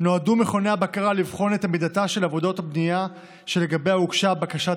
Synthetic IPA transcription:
no̞adumeχo̞ne̞jabakaʁalivχo̞ne̞t̪amid̪ataʃe̞lavo̞do̞thabnija | ʃe̞le̞ɡabejaukʃabakaʃa

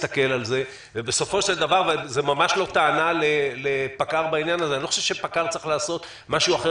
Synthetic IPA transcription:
t̪ake̞lalze̞ | vebe̞so̞fo̞ʃeld̪avaʁvazemamaʃlo̞t̪aːnalelepakaʁbainjanazeaniloo̥ʃevʃepakaʁt͡saʁiχlaːso̞t̪ | maʃuaχe

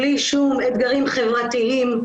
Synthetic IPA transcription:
liʃumet̪ɡaʁimχevʁat̪iim

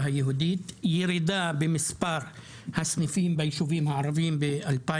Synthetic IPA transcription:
ɦajeɦud̪it̪jiɾid̪abemɪspaɾ | hasnifiːmbejʃuviːmhaʕɑɾˤɑviːmbeʔalpaː

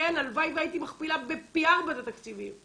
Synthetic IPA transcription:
enalvajvait̪imaχpilabepiaʁbat̪at̪akt͡sivim

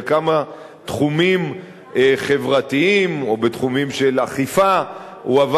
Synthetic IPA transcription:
kama | t̪χumim | eχe̞vʁat̪iimo̞bet̪χumimʃelaχifa | huav

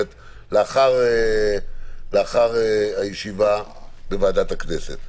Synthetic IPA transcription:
et | leaχaʁe | leaχaʁeajeʃiva | bevaːdatakne̞set̪

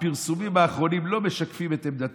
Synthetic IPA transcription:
piʁsumimhaːχʁo̞nimlo̞me̞ʃakfimet̪emd̪at

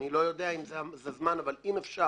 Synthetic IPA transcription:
nilo̞jo̞d̪eaimzezezmanavalimefʃa

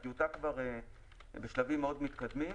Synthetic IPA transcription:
jutakvaʁe | beʃlavimːeo̞d̪mit̪kad̪mi

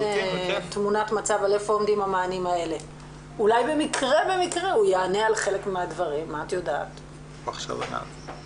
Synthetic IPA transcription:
t̪munatmat͡savalefoomd̪imamaːnimae̞le̞ | ulajbe̞mikʁe̞be̞mikʁe̞ujaane̞alχe̞le̞kmeadvaʁimːaːt̪joda̰ːt | aχʃa̰va̰na̰v

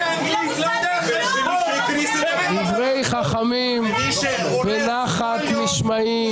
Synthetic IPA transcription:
d̪ivʁejχaχamim | venaχat̪niʃma | i

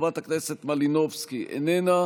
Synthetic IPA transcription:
vat̪akneset̪malinovskiʔḛnena

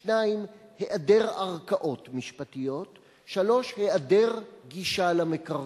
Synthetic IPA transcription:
naimhe̞ʔade̞ʁaʁkaʔo̞tmiʃpat̪ijo̞t | ʃalo̞ʃhe̞ade̞ʁɡiʃalameka

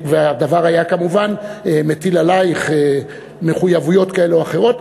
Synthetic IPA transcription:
veaad̪avaʁajakamuvanemetilalajiχe | me̞χujavujo̞t̪kae̞leoaχe̞ʁo̞t

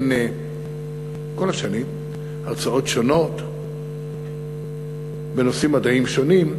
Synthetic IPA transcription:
ne | ko̞laʃanim | aʁt͡sao̞tʃo̞no̞t̪ | benosimːad̪aimʃo̞nim

